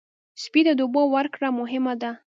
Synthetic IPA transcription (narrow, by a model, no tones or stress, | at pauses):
spid̪əd̪obəwəɾkɽamʊɦɪmad̪a